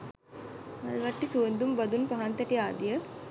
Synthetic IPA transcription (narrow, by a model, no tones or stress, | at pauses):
ɐðɐʋɐʈːisuɐnd̪umbɐd̪unpɐɦant̪ɐʈːiaːd̪ijɐ